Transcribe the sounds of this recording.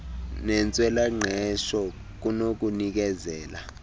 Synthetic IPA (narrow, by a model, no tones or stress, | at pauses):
nɛnt͡sʼwɛlaŋ͡ǃʱɛʃɔ | k̬unok̬unik̬ɛzɛːla